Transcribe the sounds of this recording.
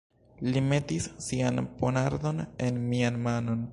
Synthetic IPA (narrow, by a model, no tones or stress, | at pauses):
lime̞tisːianponaɾd̪o̞ne̞nmianmano̞n